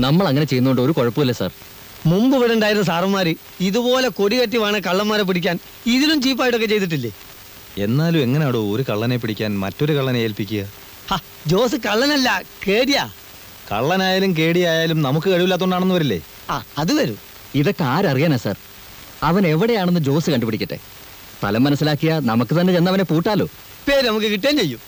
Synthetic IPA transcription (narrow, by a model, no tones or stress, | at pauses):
nɐmːɐɭɐŋːɐnet͡ɕe̞junːuoɳɖɨoɾukoɻɐpːuilːɐsa̰ːr | mumbɨʋiɽuɳɖaːjiɾnːɐsaːrɐɐmːaːɾi | iðubo̞ːle̞koɽiɣɐʈːiʋaːɳɨkɐɭːɐnmːaːɾep̬iɽikʲːaːn | iðilumt͡ɕiːp̬ːaːjʈːo̞kːet͡ɕe̞jt̪iʈːilːeː | e̞̰nːaːlume̞ŋːɐnejaːɽuoɾukɐɭːɐnep̬ːiɽikʲːaːnmɐ̰tːo̞ɾukɐɭːɐneeːlpikʲːuɣɐ | ha | d͡ʑo̞ːs̬ɨkɐɭːɐnɐlːɐkeːɽijaː | kɐ̰ɭːɐnaːjaːlumke̞ːɽijaːjaːlumnɐmukːɨɐɻiʋilːaːt̪ːoɳɖaːɳe̞nːuʋɐɾilːḛ | aːɐðuʋɐɾṵ | iðo̞kːeaːɾɐrijaːnasa̰ːr | ɐʋɐne̞ʋiɽejaːɳe̞nːɨd͡ʑo̞ːsɨkɐɳɖupːiɽikʲːɐʈːe̞̰ | t̪ɐ̰lɐmːɐnɐsːilaːkːijɐnɐmukːɨt̪ɐnːe̞t͡ɕenːɐʋɐne̞puːʈːaːlo̞̰ː | peːɾnɐmuk̬ːɨkiʈːeːnt͡ɕe̞jːum